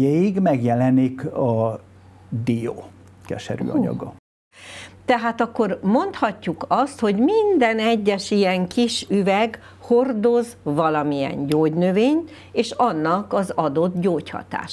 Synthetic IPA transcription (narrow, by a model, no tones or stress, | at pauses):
ɛiɡmɛɡjɛlɛnikɒ | d̪ijo̰ | kɛ̰ʃɛɾy̰ːɒ̰ɲɒ̰ɡɒ | t̪ɛɦaːt̪ɒkːo̞rmo̞nt̪hɒcːukɒst̪ho̞ɟmind̪ɛnɛɟːɛʃijɛŋkiʃyvɛɡ | ho̞rd̪o̞zvɒlɒmiɛ̰ɲɟoːɟnøveːɲ | eːʃɒnːɒkɒzɒd̪o̞d̪ɟoːchɒ̰t̪a̰ːʃ